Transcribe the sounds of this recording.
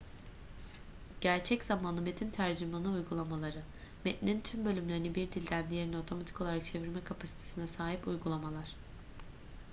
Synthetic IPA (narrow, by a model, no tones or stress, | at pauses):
ɟ̥æɾt͡ʃʰɛcz̥amanɯmet̪ʰimt̪ʰæɾd͡ʒimanɯujɡulˠamalˠaɾɯ | mɛt̪nʲiint̪ʰymbø̞lʲymlʲe̞ɾinibiɾd̪ilʲd̪ænd̪ijeino̞t̪ʰo̞mat̪ʰiko̞lˠaɾak̚t͡ʃʰe̞viɾmɛkʰapʰasi̥t̪ʰesinɛsaːɦipujɡulˠamalˠaɾ̥